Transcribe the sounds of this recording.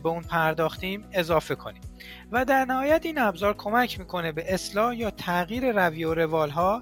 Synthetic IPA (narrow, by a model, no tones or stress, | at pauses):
be̞uːnpʰæɾd̪ɒːxt̪iːme̞zɒːfe̞kʰo̞̰niːm | væd̪æɾnæhɒːjæt̪iːnæbzɒːɾkʰo̞mæcʰmiːkʰo̞ne̞be̞ʔeslɒːhjɒːt̪ʰæɣiːɾe̞ɾæviːoɾe̞vɒːlɦɒː